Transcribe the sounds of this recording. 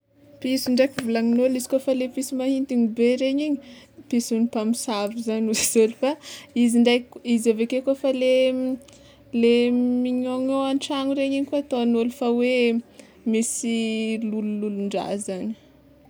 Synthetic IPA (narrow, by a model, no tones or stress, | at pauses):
pisiɳɖ͡ʐajkivulaŋinolizi̥kofalepisimahint̪iɲibeɾeɲiɲipisunipamisavizanuziz̥olifaiziɳɖ͡ʐajizavekekofale | lemiɲoŋoanʈ͡ʂaŋuɾeɲiɲkoat̪oanolifawe | misilulululuɳɖ͡ʐa̰zani̥